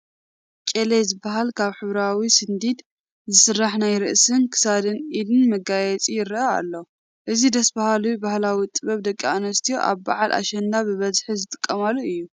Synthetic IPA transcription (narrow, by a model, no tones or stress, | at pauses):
kʼelezɨbːaɦalkʰaβħɨβɾawisɨnd̪id̪ | zɨsɨrːaħnajɾɨʔsɨnkʰɨ̥sad̪ɨnʔilɨnmɐɡajɛt͡sʼijɪɾʔɐa̰lːo | ʔɨzid̪ɐsbahalujbahlawit̪ʼɨβɐβd̪ɐkʼːanɐst̪ʰijoʔa̰βba̰ʕalʔa̰ʃɛnd̪abɨβɐzħizɨt̪ʼɨ̥kʼːɐmalːuɨjːu